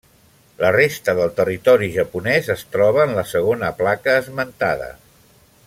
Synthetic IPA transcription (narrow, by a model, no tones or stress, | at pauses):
lərest̪əðəlˠt̪ərit̪ɔɾiʒəpunɛzəst̪ɾɔβ̞əːnləsəɣ̞onəplakəːzmənt̪a̰ðə̰